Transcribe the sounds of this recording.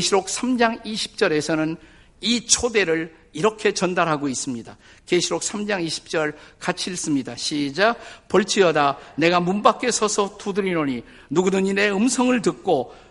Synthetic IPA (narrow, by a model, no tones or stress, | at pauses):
keɕʰiɾok̚sʰamd͡ʑaŋiɕʰi̥p̚t͡ɕ͈ʌɾe̞sʰʌnɯn | it͡ɕʰode̞ɾɯɭ | iɾʌkʰe̞t͡ɕʌndaɾɦaɡois͈ɯmɲida | keɕʰiɾok̚s͈ʰamd͡ʑaŋiɕʰi̥p̚t͡ɕ͈ʌɭkat͡ɕʰiɭs͈ɯmɲidaɕʰid͡ʑapʌɭt͡ɕʰiʌdane̞ɡamunbak͈e̞sʰʌsʰʌtudɯɾinoɲi | nuɡudɯɲine̞ɯmsʰʌŋɯɭtɯk̚k͈o